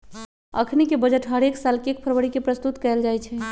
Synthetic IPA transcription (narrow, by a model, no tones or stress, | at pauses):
ə̰kʰnikebəd͡ʒəʈɦəɾeksalkek̚pʰəɾwəɽikepɾəst̪ut̪kɛld͡ʒajt͡ʃʰɛ